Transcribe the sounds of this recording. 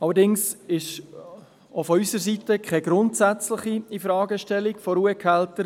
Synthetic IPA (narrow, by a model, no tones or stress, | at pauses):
ɑlːəɾdɪŋsɪʃ | ofɔysəɾsitəkχɛɡɾʊntsæt͡slɪχiifɾɑːɡəʃtɛlikfɔɾuəkʰɛltəɾ